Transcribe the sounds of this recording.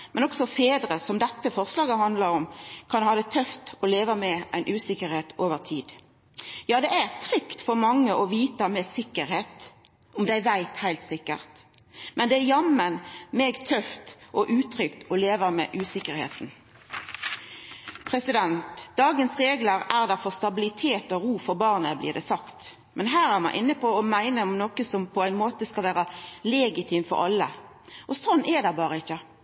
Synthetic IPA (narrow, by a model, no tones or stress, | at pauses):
mɛnɔksɔfeːd̪ɾəsɔmd̪ɛt̪ːəfɔʁslɑːɡəhɑnd̪lɑɾɔmkʰɑnhɑːd̪ɛt̪ʰœft̪ɔleːʋəmɛʔæɪnʔʉːsɪkəɾheːt̪ʰoːʋəʁt̪ʰiːd̪ | jɑːd̪ɛʔæʁt̪ʰʁʏkt̪fɔʁmɑŋːəʔɔʋiːt̪əmɛsɪkːəɾheːt̪ | ʊmd̪ææʋæɪt̪hæɪlt̪sɪkːə̰ʁt̪ | mɛnd̪ɛæjɑmənmeːɡt̪ʰœft̪ʔɔʔʉːt̪ʰɾʏkt̪ɔleːʋəmɛ̰ʔʉːsɪkəɾhḛːt̪n̩ | pʰɾɛsɪd̪ɛnt̪d̪̥ɑːɡənsʁeːɡləɾæʁd̪æfɔʁst̪ɑbɪlɪt̪ʰeːt̪ɔɾuːfɔɾbɑːʁnəblḭːʁd̪ɛsɑkt̪ | mʔɛnɦæːɾæʁmɑ̰ɪʔɪnːəpʰɔɔmæɪnəɔmnokəsɔmpʰɔæɪnmoːt̪əskɑlʋæːʁəlɛːɡɪt̪ʰɪmfɔ̰ɾʔɑ̰lːə̰ | ʔɔsɔnːʔɛd̪æbɑːɾəɪçːə